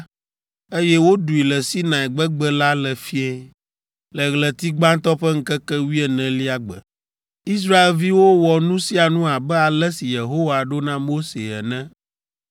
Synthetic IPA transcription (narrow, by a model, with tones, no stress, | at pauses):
e˦jɛ˦wo˦ɖu˨i˨lɛ˨si˦nã˨ɛ˨ɡ͡bɛ˦ɡ͡bɛ˦la˦lɛ˨fi˦ɛ˦ | lə˨ɣlɛ˨t̪i˦ɡ͡bã˦n˦t̪ɔ˦ɸɛ˦ŋ̩˦kɛ˦kɛ˦wi˦ɛ˨nɛ̃˨li˦a˨ɡ͡bɛ̰˨ | i˦s̬ɾa˦e˨lvi˦wo˦wɔ˨nũ˦si˦a˨nũ˦a˨bɛ˦a˨lɛ˦si˨je˨ɦo˦wa˨a˨ɖo˦nã˦mo˦se˨ɛ̰˨nɛ̃˦